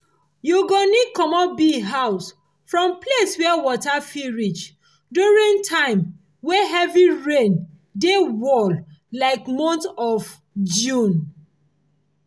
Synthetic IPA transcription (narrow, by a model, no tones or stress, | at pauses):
juɡonikɔmɔbiɦaʊs | fɹɔ̃mpleswɛwɔtafiɹit͡ʃ | duɹĩŋtʰãɪ̃m | wɛɦɛviɹẽn | dewɔllaɪkmɔ̃ntɔv | d͡ʒũn